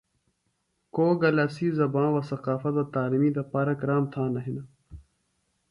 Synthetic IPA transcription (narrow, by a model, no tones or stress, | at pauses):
koːɡɐlasiːzɐbãːwɐsɐqaːfɐt̪wɐt̪aːlimiːd̪ɐpaːɾɐkɾaːmt̪ʰãːnɐɦinɐ